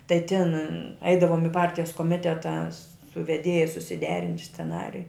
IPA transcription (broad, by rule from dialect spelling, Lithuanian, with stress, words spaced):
tɐɪ tʲɪn ˈɛɪdɐʋoːm ɪ ˈpɐrʲtʲɪjɛs koːˈmʲɪtʲɛtɐ sʊ ʋʲɛˈdʲeːjɛ sʊsʲɪˈdʲæːrʲɪnʲtʲ sʲt͡sʲɛˈnɑːrʲɪjʊ